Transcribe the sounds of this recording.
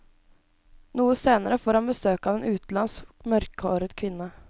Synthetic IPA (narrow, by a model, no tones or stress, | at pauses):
nuːəseːnəɾəfoːɾhanbəsøːkɑːʋeːnʔʉːt̪lɑnsmœɾkoːɾəd̪kʰʋɪnːə